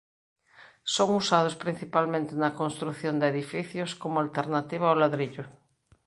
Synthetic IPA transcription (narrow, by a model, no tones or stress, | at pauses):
soŋusað̞ospɾin̟θipalmẽnt̪ɪnɐkonst̪ɾuθjond̪eðifiθjoskomʊalt̪eɾnat̪iβ̞aawlaðɾiʎʊ